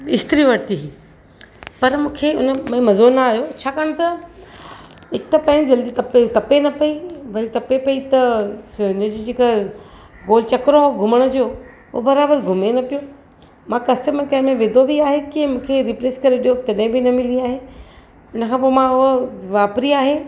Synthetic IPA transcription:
ɪst̪ɾiʋɐɾt̪iɦiː | pɐɾmũːkʰeʊnəmẽmɐzoːnaːɦjot͡ɕʰaːkaːɽ̃t̪ɐ | ɦɪk̚t̪ɐpɐ̃ːɪ̃nɪd͡ʑɐld̪it̪ɐpet̪ɐpenɐpɐiʋɐɾit̪ɐpepɐit̪ɐʊnə̃d͡ʑid͡ʑeːka | ɡoːl̤t͡ɕɐkɾoɦoɡʱʊməɽ̃d͡ʑoː | ʊobɐɾaːbəɾɡʱʊmenɐpijo | mãkɐsʈəməɾkɐɦmẽʋẽːd̪ʱobiaːɦekimũːkʰeɾɪpleːskɐɾeɗijot̪ɐɗẽbʱinɐmɪliaːɦe | ʊnəkʰãːp̬oːmãʊɦoʋaːpɾiaːɦe

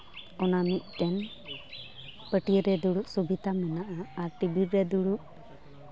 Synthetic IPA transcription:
ɔnamiʔ̚kɛn | pəʈiɾɛd̪uɽuʔsubit̪amɛnaʔaːɾʈibiɾɛd̪uɽuʔ

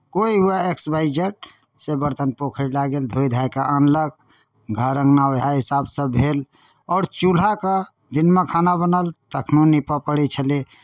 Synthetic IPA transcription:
koiɦuaeksbaɪd͡ʒəʈ̚ | sebəɾt̪ənpokʰəɾlaɡeld̪ʱojd̪ʱajkaʔənlək̚ | ɡʱəɾə̃ŋɡnawɦaɦisabsəbʱel | ɔːɾt͡ʃul̤aka | d̪inmekʰanabənəlt̪əkʰnunːipəpəɽit͡ʃʰəli

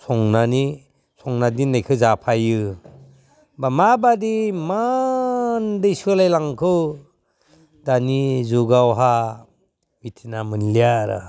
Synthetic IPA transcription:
sʰɔŋnani | sʰɔŋnadinɯjkʰɯzapʰajɯ | bamabadima | ndɯjsɯlajlaŋkʰɯw | danizuɡawɦa | bitʰinamɯnlijaɾa̰

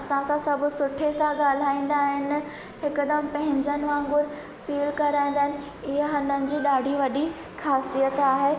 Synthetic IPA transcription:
ɐsãsãsɐbʱʊ̆sʊʈʰesãɠaːl̤aːĩːn̆d̪aːɦɪnɪ̆ | hɪkʊd̪ɐmpɐ̃ɦɪ̃ɲd͡ʑənɪʋãːŋɡʊɾ | fiːlkɐɾaːĩnd̪aːɦɪnɪ̆ | ɪɦəɦɐ̃nd̪ənɪ̆d͡ʑiːɗaːɖʱiʋɐɗi | xaːsijət̪aːɦeː

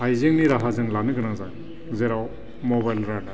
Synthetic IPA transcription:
ajzeŋniɾaɦazɯŋlanɯɡɯnazaŋ | zeɾaw | mɔβajlɾada

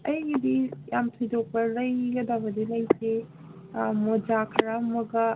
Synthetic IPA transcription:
ɐjɡid̪ijamtʰujdok̚bɐɾɐjɡɐd̪abɐd̪ilɐjse | mod͡ʒakʰɐɾamɐɡɐ

